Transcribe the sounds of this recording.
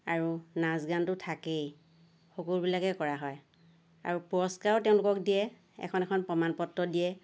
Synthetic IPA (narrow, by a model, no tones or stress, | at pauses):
aɹunazɡantʊtʰakej | xokulbilakɛkɔɹaɦɔj | a̰ɹupuɹɔskaɹtɛʊ̃lʊkɔk̚dijɛ | ɛ̰kʰɔnɛkʰɔnpɹɔmanpɔtɹɔdijɛ